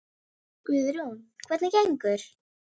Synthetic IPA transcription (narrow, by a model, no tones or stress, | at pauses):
kʏðɾunkʰvɛt̪nacejŋkʏɾ̥